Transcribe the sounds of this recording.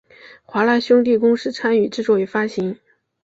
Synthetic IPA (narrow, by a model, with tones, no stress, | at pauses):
xwa˧˥la˧˥ɕjʊ˥ŋt̪̬i˥˩kʊ˥ŋʂɻ̩˥˩t͡sʰa˥ny˨˩ʈ͡ʂɻ̩˥˧t͡swɔ˥˩ɛ˨˩fa˥ɕi˧˥ŋ